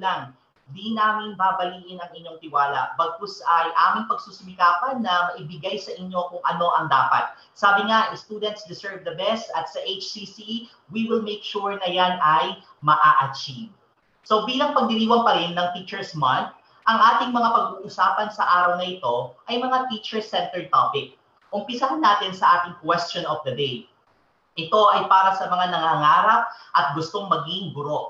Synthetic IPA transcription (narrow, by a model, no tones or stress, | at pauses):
laŋ | d̪inaːmɪnbaːbɐliːʔɪnɐŋɪɲːo̞ŋt̪ɪwaːlɐ̰bɐɡ̚kosɐjʔaːmɪŋpɐɡ̚suːsʊmɪkaːpɐnːɐmɐʔɪbɪɡajsɐʔɪɲːo̞kʊŋʔɐno̞ʔɐŋd̪aːpɐ̰t̪̚ | saːbɪŋaʔɪst̪uːd̪ɛnt̪sd̪ɪsɛɹvd̪ɐbɛst̪ɐt̪sɐʔejt͡ʃsisi | wiwɪlmejkʃuɹnɐjanɐj | mɐʔaːʔɐt͡ʃiv | so̞biːlɐŋpɐɡ̚nɪniːwɐnpɐɾɪnːɐŋt̪it͡ʃɛɹsmɐnt̪̚ | ʔɐŋʔaːt̪ɪŋmɐŋapɐɡuːʔʊsaːpɐnsɐʔaːɾɐwnɐʔɪt̪o̞ʔɐjmɐŋat̪iːt͡ʃɛɹsɛnt̪ɛɹt̪opɪk̚ | ʔʊmpɪsɐɦɐnaːt̪ɪnsɐʔaːt̪ɪŋkwɛst͡ʃonɔfd̪ɐd̪ej | ʔɪt̪o̞ʔɐjpaːɾɐsɐmɐŋanɐŋaŋaːɾɐp̚ʔɐt̪̚ɡʊst̪o̞ŋmɐɡiɪŋɡʊɾo̞ʔ